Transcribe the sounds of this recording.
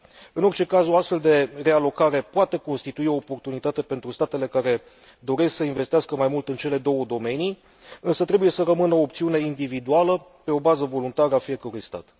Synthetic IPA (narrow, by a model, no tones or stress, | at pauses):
ɨno̞rt͡ʃe̞kazoast̪fe̞ld̪e̞re̞alo̞kaɾe̞poat̪e̞ko̞nst̪it̪uio̞ːpo̞rt̪unit̪at̪e̞pe̞nt̪ɾust̪at̪e̞le̞kaɾe̞ | d̪o̞ɾe̞sksəinve̞st̪iaskəmajmult̪ɨnt͡ʃe̞le̞d̪o̞wəd̪o̞me̞ni | ɨnsət̪ɾe̞buje̞səɾəmɨnəoːpt̪siune̞ind̪ivid̪ualəpe̞o̞bazəvo̞lunt̪aɾəafije̞kəɾujst̪a̰t̪